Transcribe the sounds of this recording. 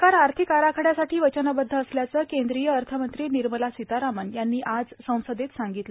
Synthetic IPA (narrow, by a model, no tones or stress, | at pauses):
kaɾaɾt̪ʰikaɾakʰəɽjasaʈʰiːʋət͡ɕənabəd̪ʱːəːsljat͡səːkẽnd̪ɾijəːɾt̪ʰəmənt̪ɾiːniɾməlasit̪aɾamənjanːiːʔad͡zsə̃w̃səd̪et̪saŋɡit̪l